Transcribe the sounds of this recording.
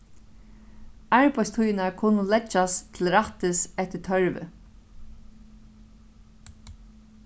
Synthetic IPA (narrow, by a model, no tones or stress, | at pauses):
aɹpajst̪ʰujɪnaɹkʰʊnʊlɛt͡ʃːast̪ʰɪlɾat̪ɪsɛht̪ɪt̪ʰœɹʋɪ̰